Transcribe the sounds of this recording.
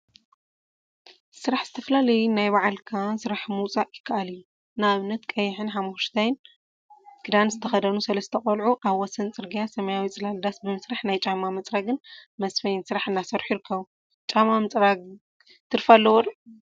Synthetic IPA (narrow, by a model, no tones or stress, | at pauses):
sɨɾaħz̥ɨt̪ʰɐflalɐjnajβaʕalkʰasɨɾaħmɨwt͡sʼaʔʼjɪkʰːaʔalɨjːu | nːaːβɨnːɐt̪kʼɐjɪħɨnħamːuʃt̪ʰajn | kʰɨd̪anzɨt̪ʰɐxɐd̪ɐnusɐlɐst̪ʰɐχʼɐlʕuʔaβwɔsɐnt͡sʼɨɾɡijasɐmɐjawit͡sʼɨlald̪asbɨmɨsɾaħnajt͡ʃʼamamɨt͡sʼɾaɡɨnmɐsfɐjɪnsɨɾaħɨnːasɐɾħujiɾɨkʰːɐβu | t͡ʃʼamamɨt͡sʼɾaɡ | t̪ʰɨɾfalːɐwɔɾ